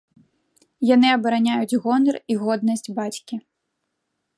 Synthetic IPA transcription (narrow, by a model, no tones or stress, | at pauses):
janɨɐbɐɾanʲajud͡zʲɣɔnɐriɣɔd̪nɐsʲt͡sʲbat͡sʲkʲi